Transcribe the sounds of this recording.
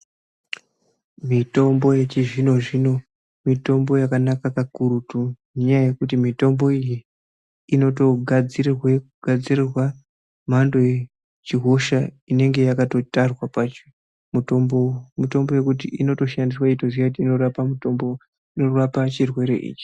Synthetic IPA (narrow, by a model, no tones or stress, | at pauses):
mito̞mbo̞jet͡ʃiʐino̞ʐino̞ | mito̞mbo̞jakanakakakuɾutu | ɲajaje̞kutimito̞mbo̞ijiː | no̞to̞ɡʱad͡zirirwekuɡ̥ʱad͡zirirwa | mando̞je | t͡ʃiɦo̞ʃa | ine̞ŋɡe̞jakato̞tarwapat͡ʃi | mu | mito̞mbo̞je̞kutiʔino̞to̞ʃandiswaitoziakutiːno̞rapamutombo | inorapat͡ʃirwe̞ɾe̞̰ʔḭːt͡ʃi̥